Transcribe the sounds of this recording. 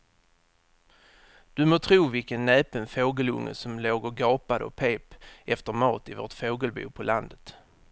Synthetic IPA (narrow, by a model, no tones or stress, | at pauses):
d̪̥ɵmoːt̪ʰɾuːvɪlkənːɛːpənfoːɡəlɵ̰ŋːə̰sɔmloːɡəɾɡɑːpad̪əɔ̰pʰeːpʔɛft̪əɾmɑːt̪ɪvo̰ːʈfoːɡəlbṵːpʰɔlʔand̪ət̪